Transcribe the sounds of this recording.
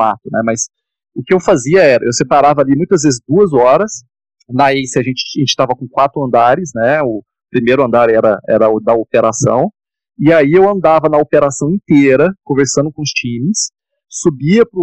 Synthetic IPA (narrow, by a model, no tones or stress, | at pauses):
a̰t̪ʊnɛmɐs | ʊkɪewfaziɐɛɾɐ̰ʔewsepaɾavɐalimũj̃t̪ɐzvezɪzd̪uɐzɔɾɐs | naesɪaʒẽnt͡ʃɪ̥ʒẽnt͡ʃɪ̥t̪avɐkõkwat̪ɾʊɐ̃nd̪aɾɪsnɛʊ | pɾimejɾʊɐ̃nd̪aɾɛɾɐɛ̰ɾɐʊd̪ɐopeɾasɐ̰̃w̃ | ɪaiewɐ̃nd̪avɐnɐopeɾasɐ̃w̃ẽt̪eɾɐkõveɾsɐ̃nd̪ʊkõʊst͡ʃĩmɪsː | ubiɐpɾʊ